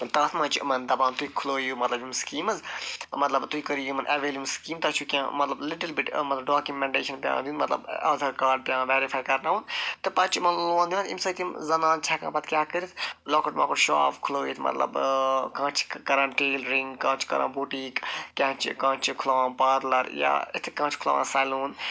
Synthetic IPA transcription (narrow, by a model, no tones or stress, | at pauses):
t̪ɐ̃ːt̪ʰmɐ̃t͡ʃʰmɐnd̪ɐbãːnt̪uikʰuloːjuːmɐt̪lɐbjimskiːmɐzmɐt̪lɐbt̪uikəɾijumɐnʔɛʋeːljuːmskiːmt̪ɐt͡ʃʰukʲãːmɐt̪lɐbliʈɐlbiʈmɐt̪lɐbɖaːkumɛ̃ɳʈḛːʃɐnpjã̰ːnd̪ĩnmɐt̪lɐ̰bɐ̰zɐɾkaːɾɖ̚pjãːnʋɛːɾifʰaːjkɐɾnaːʋunt̪ɨpɐt͡ʃʰimɐnlloːnd̪iʋɐ̃t̪imsɐt̪imzɐnãːnt͡ʃʰaːkã̰ːpɐt̪kʲjaːkəɾit̪ʰloːkɐʈmã̰ːkuɾʃa̰ːpkʰuloːit̪ʰmɐ̰t̪lɐ̰bkãːt͡ʃʰkɐɾãːʈeːlɾĩŋɡkːãːt͡ʃʰkɐ̰ɾã̰ːbuːʈikkʲãːt͡ʃʰkãːt͡ʃʰkʰʊlaːʋãːnpaːɾlɐɾja̰it̪ʰkãːt͡ʃʰkʰʊla̰ːʋa̰ːsaːluːn